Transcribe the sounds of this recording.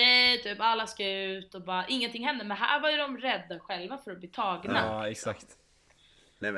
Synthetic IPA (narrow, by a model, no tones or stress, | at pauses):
ɛt̪ʰyːpalːaskajʉ̟ːt̪ɔbɑːɾaʔɪŋːənt̪ɪŋːɦɛnd̪əmɛnɦæ̰ːɾvajɵd̪ɔmɾɛd̪ːaɧɛlvafœɾɔbliːt̪ʰɑːɡnaɛksakt̪ | ɛ